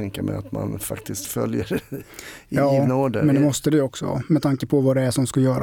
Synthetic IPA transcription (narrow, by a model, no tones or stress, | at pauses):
ɛŋkamɛ̰at̪ma̰nfakt̪ɪskt̪fœljəɾ | jɑːnoːɖ̪əmɛnd̪ɛmɔst̪əd̪ɛjɔksɔ̰mɛt̪ʰaŋkəpʰɔvad̪ɛæʂɔmskajœːɾa